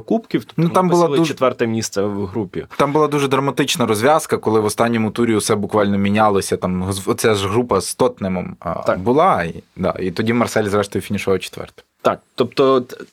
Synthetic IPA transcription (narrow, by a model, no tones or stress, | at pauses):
kupkʲiwt̪ɔ̥nut̪ɑmbʊlˠɑd̪uɛt̪ʋɛrt̪ɛmʲist̪sɛwɦɾupʲit̪ɑmbʊlˠɑd̪uʒɛd̪ɾɐmɐt̪ɪt͡ʃnɐɾɔzʲʋʲɑskɐkɔlˠɪʋɔst̪ɑnʲːɔmʊt̪uɾʲiʊsɛbʊkʋɑlʲnɔmʲinʲalˠɔsʲɐt̪ɑmɦzɔtt͡sʲaʒɦɾupɐst̪ɔt̪nɪmɔm̰bʊlˠɑid̪ɑ̰it̪ɔdʲimɐrsɛlʲzɾɛʃt̪ɔjʊfʲinʲiʃɔɦɔt͡ʃe̥t̪ʋɛ̰rt̪ɛ̥ | t̪ɑk̚t̪ɔp̚t̪ɔ